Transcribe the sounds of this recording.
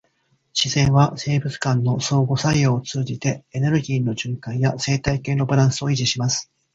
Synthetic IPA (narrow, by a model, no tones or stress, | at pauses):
ɕizẽ̞ɰ̃βase̞ːbɯ̟t͡sɨ̥kãnːo̞so̞ːɡo̞saijo̞ːt͡sɨːd͡ʑit̪e̞ene̞ɾɯ̟ɡʲiːno̞ʑɨ̃ŋkãɰ̃jase̞ːt̪aike̞ːno̞baɾãɰ̃sɨo̞iʑiɕimasɨ̥